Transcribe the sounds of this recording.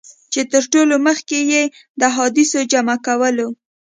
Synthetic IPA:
t͡ʃet̪əɾʈoloməxkeje | d̪əɦɑd̪ɪsod͡ʒamakawəlo

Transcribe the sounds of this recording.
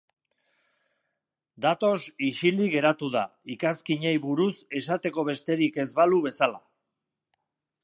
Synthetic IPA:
d̪at̪o̞siʃiliɣe̞ɾat̪uðaikaskiɲejβuɾuse̞sat̪e̞ko̞βe̞st̪e̞ɾike̞zβaluβe̞sala

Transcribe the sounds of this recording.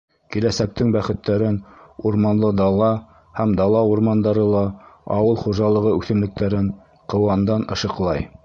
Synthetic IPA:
kilæsæk̚t̪ɘŋbæχɘ̆t̪ːæɾɘnuɾmɑnlˠɤd̪ɑlˠɑ | hæmd̪ɑlˠɑuɾmɑnd̪ɑɾɤlˠɑɑ̰wɤlˠχuʒɑlˠɤ̆ʁɤʉθɘ̆mlɘ̆k̚t̪æɾɘn | qɤ̆wɑnd̪ɑnɤ̰̆ʃɤ̆qlˠɑj

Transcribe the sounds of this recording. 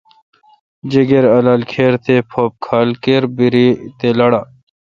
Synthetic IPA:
d͡ʑeɡeɾɐlaːlkʰeːɾt̪epʰoːp̚kʰaːlkeːɾbiɾit̪elɐɽaː

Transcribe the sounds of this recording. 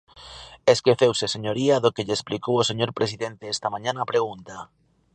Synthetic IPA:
eskeθewseseɲoɾiaðʊkeʎesplikowoseɲoɾpɾes̬iðent̪eɛst̪ɐmãɲãnaːpɾeɣ̞unt̪ɐ

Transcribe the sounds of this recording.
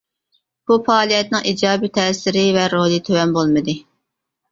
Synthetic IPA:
b̥ufɑːlˠijɛt̪nɨŋʔiːd͡ʒɑːbit̪ʰɛsɪɾɪvɛɾolˠit̪ʰøwɛnbolˠmɨd̪ɨ

